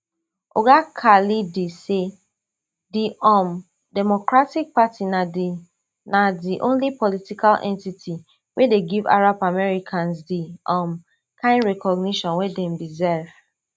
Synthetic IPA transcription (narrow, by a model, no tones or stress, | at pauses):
o̰ɡakʰalidese | diɔ̃m | dɛmɔkɹatik̚patinadi | nadiʔõnlipɔlitikʰalʔɛ̰̃ntitʰi | wedeɡiva̰ɹapamɛɹikʰãns̬diɔ̃m | kãɪ̃ndɹɛkɔɡniʃɔ̃nwedɛ̃mbizɛv